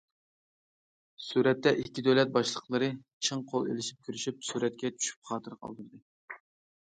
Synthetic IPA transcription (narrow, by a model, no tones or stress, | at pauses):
suɾɛt̪ːɛʔikʲːid̪øwlɛt̪̚bɑʃlˠəqlˠəɾɨt͡ʃʰɨŋqʰolˠḛlɪʃi̥p̚kʲʰyɾyʃyp̚suɾɛt̪̚kʲɛt͡ʃʰy̥ʃy̥p̚χɑːt̪ʰɨɾqʰɑ̰lˠd̪ɨɾd̪ɨ